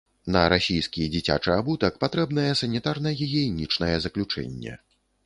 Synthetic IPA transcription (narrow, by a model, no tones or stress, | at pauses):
nɐɾasʲijskʲid͡zʲit͡sʲa̰t͡ʂɨabut̪ɐkpat̪ɾɛbnɐjɛsɐnʲit̪arnɐjajɛinʲit͡ʂnɐjɛzɐklʲut͡ʂɛ̰nʲːɛ̰